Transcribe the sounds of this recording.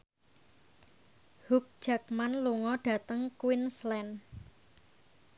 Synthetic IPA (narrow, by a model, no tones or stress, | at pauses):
huk̚d̥ʒ̥a̤k̚manluŋɔɖ̥ä̤t̪əŋkwinslɛn